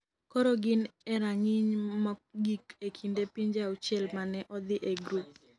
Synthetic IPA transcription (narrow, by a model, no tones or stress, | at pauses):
koɾoɡɪnɛɾaŋɪɲmɔɡikekʰindepiɲd͡ʒaut͡ʃɛlmanɛʔɔd̪ɪʔeɡɾup̚